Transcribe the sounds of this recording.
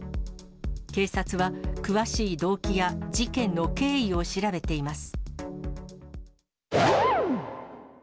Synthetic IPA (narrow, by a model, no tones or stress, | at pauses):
ke̞ːsat͡sɨβakɯ̟βaɕiːd̪o̞ːkʲiɡad͡ʑikẽ̞nːo̞ke̞ːio̞ɕiɾabe̞t̪e̞imasɨ̥